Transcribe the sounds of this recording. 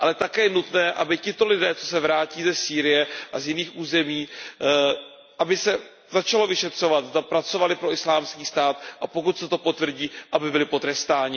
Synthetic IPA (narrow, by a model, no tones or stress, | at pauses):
ʔalɛt̪akɛːjɛnut̪nɛːʔabɪcɪt̪o̞lɪdɛːt͡so̞sɛvɾaːciːzɛsiːɾɪjɛʔazjɪniːxʔuːzɛmiː | ʔabɪsɛ | zat͡ʃalo̞vɪʃɛt̪r̝̥o̞vat̪zd̪apɾat͡so̞valɪpɾo̞ɪslaːmskiːst̪aːt̪ʔapo̞kut̪sɛt̪o̞po̞t̪vr̩ɟiːʔabɪbɪlɪpo̞t̪ɾɛst̪aːɲɪ